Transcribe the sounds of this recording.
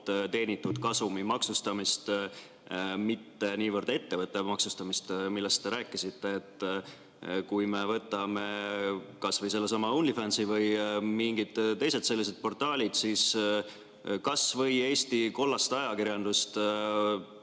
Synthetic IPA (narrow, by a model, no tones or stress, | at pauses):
t̪e̞ːnit̪ːˑud̪̥kɑsumimɑksust̪ɑmist̪ | mit̪ːe̞niːvərd̪̥e̞t̪ːe̞vɤt̪ˑːemɑksust̪ɑmist̪milːe̞st̪ːe̞ɾæːkˑːisit̪ːe̞ːt̪ː | kujme̞vɤt̪ːˑɑme̞kɑsvɤjse̞lːesɑmɑunlifɑnsivɤjmiŋɡ̥id̪̥t̪ːe̞jse̞t̪se̞lːis̬e̞d̪̥̚po̞rt̪ˑɑːlʲid̪̥sis | kɑsvɤ̞je̞ːst̪iko̞lːɑst̪ɑjɑkiɾjɑnd̪ust̪